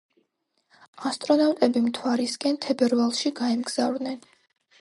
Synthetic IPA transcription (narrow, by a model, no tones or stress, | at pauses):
ast̪ʼɾɔnawt̪ʼɛbimt̪ʰwaɾisɡʼɛnt̪ʰɛbɛɾvalˠʃiɡaɛmɡz̥avɾd̪nɛn